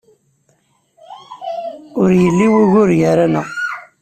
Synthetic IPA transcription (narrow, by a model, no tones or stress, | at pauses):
ʊɾjəlːiwiʝʊɾʝaɾanə̰